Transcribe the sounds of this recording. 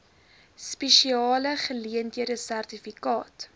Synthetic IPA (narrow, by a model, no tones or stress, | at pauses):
speʃiɑːləχəliəntɦiəɾəsærtifikɑːt